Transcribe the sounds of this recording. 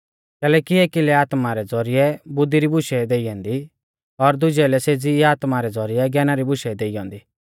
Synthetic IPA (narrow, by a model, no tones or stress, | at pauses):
kɛːlɛːkieːkilɛaːt̪maɾɛd͡zɔɾɪɛbʊd̪ːiɾibʊʃɛd̪eːɪjɔ̃ːnd̪i | ɔɾd̪ʊd͡ʒɛlɛseːd͡ziaːt̪maɾɛd͡zɔɾɪɛɡɛːnaɾibʊʃɛd̪eːɪjɔ̃ːnd̪iː